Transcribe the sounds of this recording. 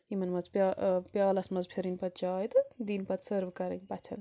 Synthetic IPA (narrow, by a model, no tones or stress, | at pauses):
imɐnmɐt͡spʲapʲjaːlɐsmɐzpʰeɾinpɐt̪̚t͡ʃaːjd̪ɨd̪inpɐt̪səɾʋkɐɾɐkʲbɐt̪ʲʰɐ̰n